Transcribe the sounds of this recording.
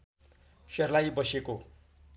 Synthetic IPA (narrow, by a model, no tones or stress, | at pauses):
sʌrlajbʌseko